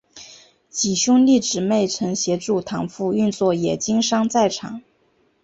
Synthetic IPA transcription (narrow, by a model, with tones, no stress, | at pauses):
t͡ɕi˨˩ɕʊ˥ŋli˥˩ʈ͡ʂɻ̩˨˩me˥˩ɪʈ͡ʂʰɤ˧˥ŋɕjɛ˧˥ʈ͡ʂu˥˩t̪ʰɑ˧˥ŋfu˥˧y˥˧nt͡swɔ˥˩jɛ˨˩t͡ɕi˥ŋʂɑ˥ŋt͡sa˥˩ɪʈ͡ʂʰɑ̰˨˩˦ŋ